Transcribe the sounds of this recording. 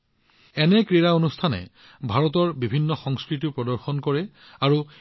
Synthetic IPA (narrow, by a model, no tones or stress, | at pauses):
ɛnɛkɹiɹaonustʰanɛ̰ | bʱaɹɔtɔɹbibʱinːɔxɔŋskɹit̬ipɹɔdɔɹxɔnkɔɹɛ | aɹu